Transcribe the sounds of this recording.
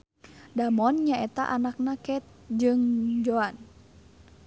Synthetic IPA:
damɔnɲaʔɛt̪a̰ʔanak̚nakɛt̪̚d͡ʒɨŋd͡ʒɔan

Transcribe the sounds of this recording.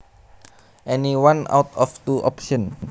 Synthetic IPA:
ʔɛniwãna̰wt̪ɔft̪uʔɔ̰pʃɔ̃n

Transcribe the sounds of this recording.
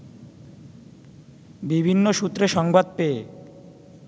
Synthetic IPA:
bibʱinːoʃut̪ːɾeʃɔŋbad̪̚pee

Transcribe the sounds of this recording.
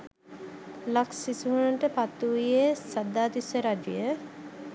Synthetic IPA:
laksisuɦunəʈəpat̪ːuʋijesad̪ːaːt̪isəɾad͡ʒijə

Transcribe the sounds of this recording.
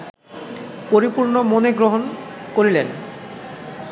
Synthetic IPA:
poɾipuɾnomoneɡɾoɦonkoɾilen

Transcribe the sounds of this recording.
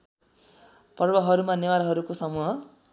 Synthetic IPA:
pʌrbʌɦʌɾumanewaɾɦʌɾukosʌmuɦʌ

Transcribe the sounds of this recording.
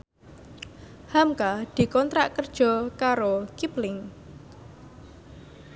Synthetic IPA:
hamkad̪̥i̤kɔnt̪ɾaʔkərd̥ʒ̥ɔ̤kaɾokiplɪŋ

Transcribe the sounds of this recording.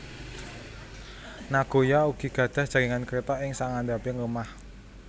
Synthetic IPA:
naɡ̥o̤jauɡ̥i̤ɡ̥ä̤d̪̥a̤d̥a̤ɾiŋankəɾet̪ɔʔɪŋsaŋand̪apɪŋlumah

